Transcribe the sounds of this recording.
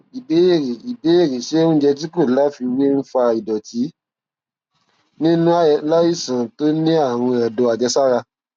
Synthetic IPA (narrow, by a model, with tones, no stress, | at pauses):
i˨be˨˦je˦˨ɾe˨i˨be˨˦e˦˨ɾe˨ʃẽ˨˦d͡ʒɛ˧t̬i˦ko˦˨˦la˦fi˧wi˦n̩˦fa˧i˨dɔ˨ti˨˦ | nĩ˦nũ˦la˦i˦˨sã˨to˦nĩ˦a˦˨w̃ɔ̃˧ɛ˨dõ˧˦a˨d͡ʒɛ˧sa˦ɾa˧